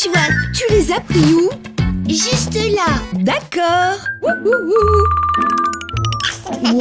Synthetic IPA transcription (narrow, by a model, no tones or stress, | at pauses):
t̪yvwat̪ylezapχiu | ʒyst̪əlad̪akɔːʁuwuwu